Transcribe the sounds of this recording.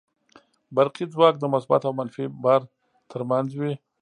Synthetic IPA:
baɾqid͡zwɑk̚d̪əmʊsba̰t̪awmanfibaɾ | t̪ʰəɾmanzwi

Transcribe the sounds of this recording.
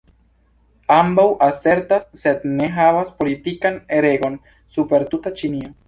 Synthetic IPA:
ambawʔase̞ɾtasːe̞dne̞ɦavaspo̞litikane̞ɾe̞ɡo̞n | supe̞ɾtutat͡ʃinio̞

